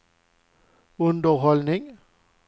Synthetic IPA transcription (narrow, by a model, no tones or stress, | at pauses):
ʊnd̪ɔɦɔlnɪŋ